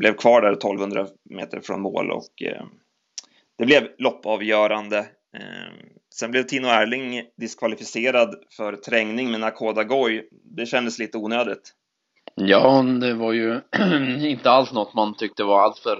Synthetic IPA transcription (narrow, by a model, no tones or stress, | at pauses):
blɛvkʰvɑːɖæɾt̪ʰɔlvhɵnd̪ɾa̰ | mḛːt̪ə̰ɾfɾɔ̰nmo̰ːlɔ̰k | d̪ɛblɛvlɔpːɑvjœːɾand̪ə | sɛnblɛvt̪ʰiːnʊæɭɪŋd̪ɪskʰvalɪfɪseːɾad̪fœɾt̪ʰɾɛŋnɪŋmɛnakʰoːd̪aɡɔj | d̪ɛɕɛnd̪əsliːt̪əuːnøːd̪ɪt̪ | jɑːd̪ɛvaɾjɵ | ɪnt̪əalsnɔt̪ːmant̪ʰʏk̚t̪əvaalt̪fœɾ